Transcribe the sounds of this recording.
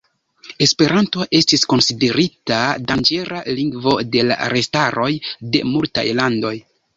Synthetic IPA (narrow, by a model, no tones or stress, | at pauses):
e̞spe̞ɾʔanto̞ʔe̞stisko̞nside̞ɾitadand͡ʒe̞ɾaliŋɡvo̞̰de̞la̰ɾe̞staɾo̞jde̞̰multa̰jlando̞j